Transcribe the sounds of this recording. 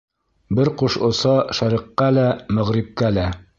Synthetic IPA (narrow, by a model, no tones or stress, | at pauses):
bɘɾquʃŏsɑʃæɾiqːɑlæmæʁɾip̚kælæ